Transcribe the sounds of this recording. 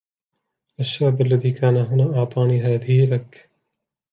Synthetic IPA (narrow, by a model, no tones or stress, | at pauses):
ʔaʃːaːʕbalːaðiːkaːnaɦʊnaːʔɑʕt̪ˤɑːniːɦaːðɪhɪlakː